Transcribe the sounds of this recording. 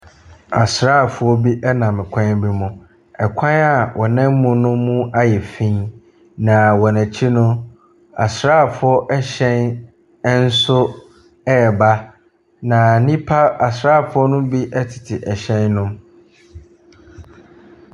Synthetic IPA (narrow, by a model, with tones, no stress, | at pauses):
a˨sɾaː˦˨fʊ˨ɔ˦bi˦ʔɛ˦nã˨mɪ̃˨kʷʰã˦bi˦mʊ̃˨ | ɛ˨kʷʰã˦na˨wʔɔ˨nɛ̃˦m̩˦mũ˨nʊ̃˦mːũ˦a˦jɛ˨fĩ˦ | nã˨wɔ˨næ̃˨t͡ɕʰi˦nʊ̃˦ | a̰˨sɾaː˦˨fʊ˨˦ɔ˦ʔɛ˦ɕɛ̃˦n˦ | n̩˦sʊ˦ | ɛ˦˨ba˦ | nã˨nĩ˦pʰa˦a˨sɾaː˦˨fʊ˦ɔ˦nʊ̃˦bi˦ʔɛ˦tʰɪ̥˨tʰɪ˨ʔɛ˨ɕɛ̃˦nːʊ̃˦